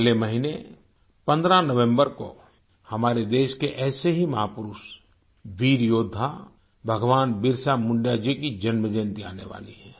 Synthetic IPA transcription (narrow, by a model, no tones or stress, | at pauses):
lemɐɦine | pɐ̃nd̪ɾanəʋẽmbəɾko̰ | hɐmaːɾed̪eːʃkeʔɛːseɦimɐɦaːpʊɾʊs | ʋiːɾjoːd̪ʱːa | bʱəɡʋaːnbɪɾsamʊ̃ɳɖjad͡ʒikid͡ʒɐnməd͡ʒə̃nt̪ia̰ːnḛʋa̰ːlḭɦɛː